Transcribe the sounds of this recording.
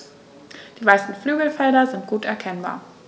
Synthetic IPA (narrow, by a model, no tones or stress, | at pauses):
d̥iːvaɪsn̩flyːɡl̩fɛldɐzɪnt̚ɡ̥uːtɛɐkʰɛnba̰ːɐ